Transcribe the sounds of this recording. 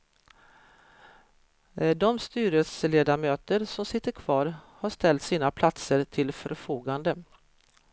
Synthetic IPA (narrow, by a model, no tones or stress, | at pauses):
d̪ɔmst̪yːɾəsleːd̪amøːt̪əɾsɔmsɪt̪ːəɾkʰv̥ɑːɾhaʂt̪ɛlt̪siːnapʰlat̪səɾt̪ʰɪlfœɾfuːɡand̪ə